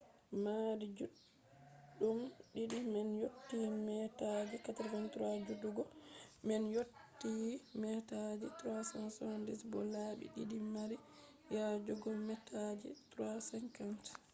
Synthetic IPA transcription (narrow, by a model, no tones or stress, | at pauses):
maɾid͡ʒuɗ | ɗːumɗiɗimɛnjotːimɛtad͡ʒikataɾfantɾad͡ʒuduɡɔmɛnjotːiːmɛtad͡ʒitɾasansɔndisbɔ̰labḭɗḭɗimaɾi | jad͡ʒuɡɔmɛtʰad͡ʒḭtɾasɛnkant